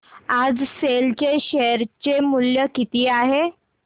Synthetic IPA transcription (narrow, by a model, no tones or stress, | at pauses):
ad͡zselt͡ɕeɕeəɾt͡ɕemuljəkit̪iːaɦe